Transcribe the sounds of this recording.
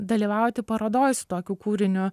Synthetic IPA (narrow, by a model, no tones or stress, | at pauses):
d̪ɐlʲiːʋɑˑʊjt̪ʲɪpɐɾɐd̪oːjɪsʊ̥t̪oːkʲuːkuːɾʲɪnʲʊ